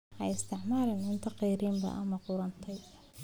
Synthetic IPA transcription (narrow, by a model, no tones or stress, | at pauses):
ʔɛjɪst̪ʰɪʕmaːɾɛnɪnt̪ʰɐqɛːɾiːmbɐ̰ʔɐ̰mɐqʊɾɐnt̪ʰɛj